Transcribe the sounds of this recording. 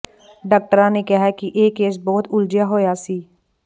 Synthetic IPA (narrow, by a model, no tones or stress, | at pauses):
ɖaːk̚ʈəɾãːnekɛɦɛkiʔeːkeːsbɔːt̪ʊld͡ʒjaɦoːjaːsiː